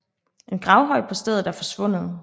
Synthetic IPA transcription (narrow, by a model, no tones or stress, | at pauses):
e̝nɡ̥ʁɑ̈ʊɦɒ̽ɪ̰̥pʰɒ̽sd̥eð̞̰̩ˠd̥æɐfɒ̽sʋɔ̽n̰əð̞̩ˠ